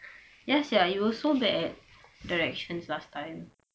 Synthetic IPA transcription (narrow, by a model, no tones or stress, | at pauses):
jasjajuɔsobɛʔɛt̚daɹɛk̚ʃə̃nslastãɪ̃m